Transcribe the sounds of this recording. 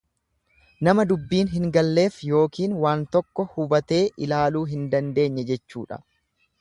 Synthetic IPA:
nɐmɐd̪ʊbːiːnɦɪŋɡɐlːe̞ːfjo̞ːkiːnwaːnt̪ɔkːɔhʊbɐt̪e̞ːʔɪlaːluːɦɪnd̪ɐnd̪e̞ːɲːɛd͡ʒɛt͡ʃːuːᶑɐ̥̰

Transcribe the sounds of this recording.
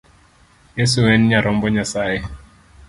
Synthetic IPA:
jesuwɛnɲaɾɔmbɔɲasae

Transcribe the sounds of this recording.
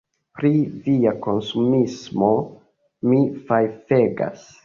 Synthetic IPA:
pɾiviako̞nsumismo̞ | mifajfe̞ɡa̰s

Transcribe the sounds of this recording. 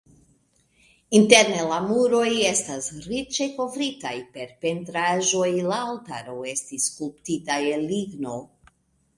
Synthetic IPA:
inte̞ɾne̞lamuɾo̞je̞stasɾit͡ʃe̞ko̞vɾitajpe̞ɾpe̞ntɾaʒo̞jlaaltaɾo̞e̞stiskulptitajeliɡno̞

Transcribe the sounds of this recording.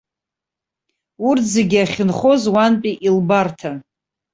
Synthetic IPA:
urʰzeɡʲaχʲɪnχo̞zwanpʼiʔilbartʰa

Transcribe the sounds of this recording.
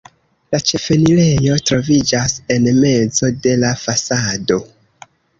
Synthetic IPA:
lat͡ʃe̞fe̞nile̞jo̞tɾo̞vid͡ʒase̞nme̞d͡zo̞de̞lafasado̞

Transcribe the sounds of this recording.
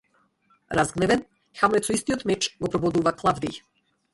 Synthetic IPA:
ɾazɡnɛvɛn | xamnɛt̪sɔist̪iɔt̪mɛt͡ʃɡɔpɾɔbɔd̪uvaklˠavd̪ij

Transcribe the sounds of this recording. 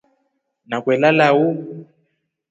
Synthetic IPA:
nakwɛlalau

